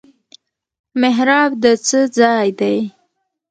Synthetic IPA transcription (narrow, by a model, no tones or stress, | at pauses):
mɪɦɾɑbd̪ət͡səd͡zɑjd̪aj